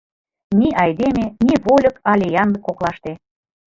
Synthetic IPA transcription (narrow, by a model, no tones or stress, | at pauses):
nʲiʔɑjd̪emeniβolʲɤ̆kɑlʲejɑnd̪ɤ̆kːoklɑʃt̪e